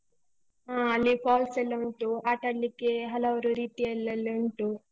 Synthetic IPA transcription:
aːɐlːipʰaːlselːɐuɳʈuaːʈɐɽːikeɦɐlɐʋɐɾuɾiːt̪iɛlːɐlːɐuɳʈu

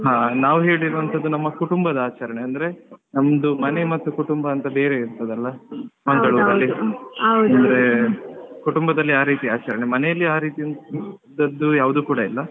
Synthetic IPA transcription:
ɦaːnaːʋuɦeːɭiɾuʋɐnt̪ʰɐd̪ːunɐmːɐkuʈumbɐd̪ɐaːt͡ʃɐɾɐɳeɐnd̪ɐɾe̞nɐmːɐd̪umɐne̞mɐt̪ːukuʈumbɐːnt̪ɐbe̞ːɾeiɾt̪ɐd̪ɐlːɐmɐŋɡɐɭuɐlːiɐwdɐnd̪ɐɾe | kuʈumbɐd̪ɐlːiaːɾiːt̪iaːt͡ʃɐɾɐɳemɐnɛjɐlːiaːɾiːt̪iɐnd̪ɐd̪ːujaːʋud̪uːkuːɽɐilːɐ

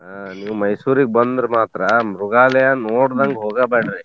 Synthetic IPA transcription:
aniːʋumɐjsuːɾiɡ̚bɐnd̪ɾmaːt̪ɾɐmɾuɡaːlɐjaːnoːɽd̪ɐŋɡɦoːɡɐbeːɽɾi

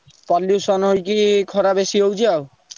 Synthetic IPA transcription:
pɔlːjusɔnojkikʰɔɾabeʃiowd͡ʑaw

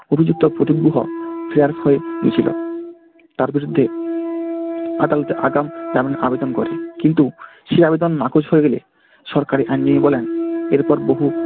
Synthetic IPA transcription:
obʱid͡ʑuk̚t̪opɾot̪iɡbuɦo̰pɾiaɾfʰɔeɡḭt͡ɕʰilo̰ | t̪aɾbiɾud̪ʱːe | ad̪alɔt̪eʔaɡamt̪aɾminʔa̰bed̪onkɔɾekint̪uʃeabed̪onmakʰod͡ʑɦoeɡelḛ | ʃɔɾkaɾiʔanːiebɔleneɾpɔɾboɦu

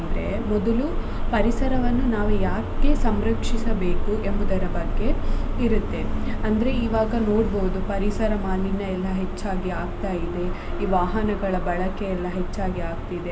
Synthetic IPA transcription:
ɐnd̪ɐɾe̞ | mɔd̪ɐlu | pɐɾisɐɾɐʋɐnːunaːʋujaːke̞sɐmɾɐkʂisɐbeːkuʔe̞mbud̪ɐɾɐbɐɡːe̞iɾut̪ːe̞ɐnd̪ɐɾe̞iːʋaːɡɐno̞ːɽboud̪upɐɾisɐɾɐmaːninɐɛlːɐɦe̞t͡ʃːaːɡiaːɡ̚t̪aːjid̪e̞ | iːʋaːɦɐnɐɡɐɭɐbɐɭɐkeɛlːɐɦe̞t͡ʃːaːɡiaːɡ̚t̪id̪e

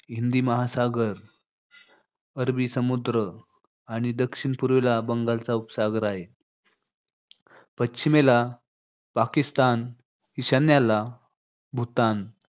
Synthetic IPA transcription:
ɦind̪iːməɦasaɡəɾ | əɾbiːsəmud̪ɾə | aɽ̃id̪əkɕiɳpuɾʋelabəŋɡalt͡saupsaɡəɾaɦe | pətːɕimela | pakist̪an | hiɕanjala | bʱut̪an

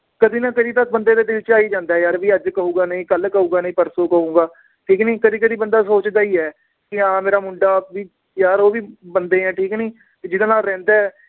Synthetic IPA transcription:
kəd̪iːnãːkəd̪iːd̪əsbənd̪eːd̪eːd̪eʋɪt͡ʃaːiːd͡ʒãːnd̪aːjaːɾʋiːəd͡ʒkəɦũːɡaːnəĩːkəlkəɦũːɡaːnəĩːpəɾsoːkəɦũːɡaː | ʈʰiːkniːkəd̪iːk̬əd̪iːbənd̪aːsoːt͡ʃd̪aːiːɛː | kɪãːmeːɾaːmʊɳɖaːʋiː | jaːɾoːʋiːbənd̪eːɦɛ̃ːʈʰiːknĩː | d͡ʒɪd̪ãːnaːlɾɛ̃ːnd̪aːɛː

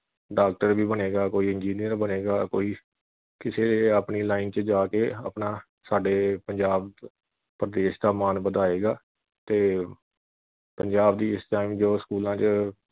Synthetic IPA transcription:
ɖaːk̚ʈəɾbiːbəneːɡaːkoːiːɪnd͡ʒiːnijəɾbəneːɡaːkoːiː | kɪseːleːəpniːlaːɪnt͡ʃəd͡ʒaːkeːə̰pnaː | saːɖeːpəɲd͡ʒaːb | pɾəd̪eːʃd̪aːmaːnbəd̪aːeːɡaː | t̪eː | pəɲd͡ʒaːbd̪iːɪsʈaːimd͡ʒoːskuːlãːt͡ʃə

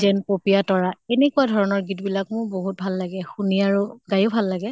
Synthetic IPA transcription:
zɛnpopijatɔɹaenekuadʱɔɹɔnɔɹɡitbilakmʊɹboɦut̚bʱalːaɡɛxuniaɹuɡajʊbʱalːaɡɛ

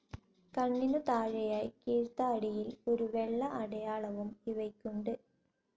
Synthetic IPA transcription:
kɐɳːinut̪aːɻɐjaːjkiːɻt̪ːɐːɽijilo̞ɾuʋeɭːɐʔɐɽɐjaːɭɐʋumiʋɐkʲːuɳɖɨ

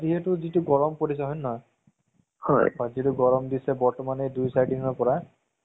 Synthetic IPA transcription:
ziɦetuzituɡɔɹɔmpoɾis̬ɔɦɔnːɔj | hɔ̰jɔzietuɡɔɹɔmd̪isɛbɔɹtɔmanedujsajɖinɔɹpɔɹa

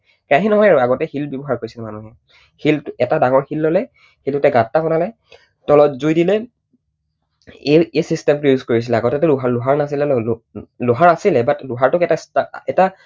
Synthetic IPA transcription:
kaɦinɔɦɔjaɹaɡɔtɛhilbjɔbɔɦaɹkoɹisilɛmanuɦɛ | hiltɛtadaŋɔɹxilːɔlɛ | hiltʊtɛɡãtːakɔnalɛ | tɔlɔtzujdilɛ | eesistɛmpɹejuzkoɹis̬ilɛaɡɔtɛtʊɦalʊɦaɹnasilɛ | lʊɦaɹasilɛbatlʊɦaɹtʊkɛtastaɛta

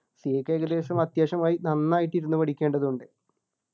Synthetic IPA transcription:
siekːɐjɡɐd̪e̞ːɕɐmɐt̪jeːɕɐmaːjinɐnːaːjiʈːiɾunːupɐɽikʲːe̞ːɳɖɐðuɳɖɨ

